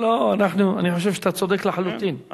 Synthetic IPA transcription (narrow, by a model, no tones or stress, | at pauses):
loanaħnua̰niħoʃ̬evʃet̪at͡sod̪ekleħalut̪in